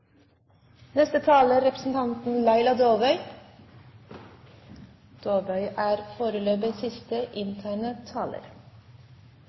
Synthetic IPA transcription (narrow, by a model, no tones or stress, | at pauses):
nɛst̪ət̪ʰɑːləɾɛpəsn̩t̪ʰɑnt̪n̩læɪlɑd̪oːʋœʏ | d̪̥oːʋœʏʔæːɾfoːɾəløːbəsɪst̪əʔɪnt̪ʰæːɳət̪ʰɑːlə̰ɾ